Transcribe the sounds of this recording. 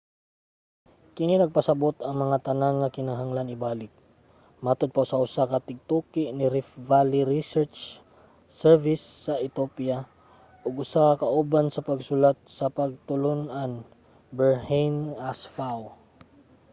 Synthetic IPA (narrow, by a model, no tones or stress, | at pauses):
kɪninɐɡ̚pɐsɐbot̪ɐŋmɐŋat̪ɐnaŋːɐkɪnaɦaŋlanɪbaːlɪk̚ | mat̪od̪̚pɐʔʊsaʔʊsakɐt̪ɪɡ̚t̪uːkɪʔnɪɾɪfvalɪɾisɛɹt͡ʃ | sɛɹvɪsːɐʔɪt̪opja | ʔʊɡʊsakɐkɐʔuːbansɐpɐɡsʊlat̪̚sɐpɐɡ̚t̪ʊlʊnʔan | bɛɹhejnasfaw